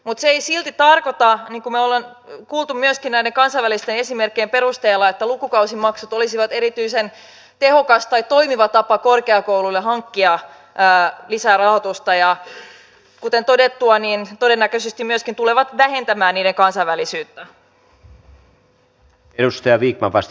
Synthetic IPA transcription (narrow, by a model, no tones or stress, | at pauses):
mut̪seeisilt̪it̪ɑrkot̪ɑniːŋkumeolen | kuːlˠt̪umyøskinnæideŋkɑnsɑiʋælist̪ene̞simerkːeːmpe̞rust̪eːlːɑet̪ːælukukɑusimːɑksut̪olisiʋɑt̪eɾit̪yisen | t̪e̞hokɑst̪ɑjt̪o̞imiʋɑt̪ɑpɑkorkeɑkowlulːeɦɑŋkːiɑː | lisæːrɑhot̪ust̪ɑjɑ | kut̪ent̪odet̪ːuɑniːnt̪odenːækøsest̪imyøskint̪uleʋɑt̪ʋæhe̞nt̪æmæːnniːɾeŋkɑnsɑjʋælisyːt̪ːæ | edust̪ɑjɑʋiːk̚mɑʋɑs